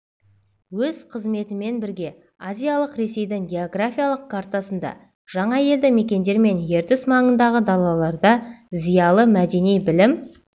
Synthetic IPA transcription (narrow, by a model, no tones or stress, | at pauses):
wɵz̥qʰəzme̞t̪ɪme̞nbɪɾɡʲe̞ | azʲijalˠəqɾe̞se̞jd̪ɪŋɡʲe̞oɡrafʲijalˠəq̚kʰaɾt̪asənd̪ɑ̰ | ʒ̥ɑɴɑje̞ld̪ɪme̞kʲe̞nd̪e̞ɾme̞nje̞ɾt̪ɪsmɑɴənd̪ɑʁəd̪ɑlˠɑlˠɑɾd̪ɑzijɑlˠəmæd̪e̞nijbɪlɪm